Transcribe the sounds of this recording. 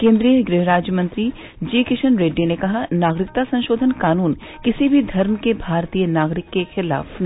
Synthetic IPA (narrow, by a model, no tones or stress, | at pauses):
kẽːnd̪ɾijəɡɾɪɦɾaːd͡ʒjəmɐ̃nt̪ɾi | d͡ʒiːkɪʃənɾeːɖːinekɐɦanaːɡɾɪk̚t̪asɐ̃ñʃoːd̪ʱənkaːnuːnkɪsibʱid̪ʱɐɾmkebʱaːɾt̪iːjənaːɡɾɪkːexɪla̰ːfn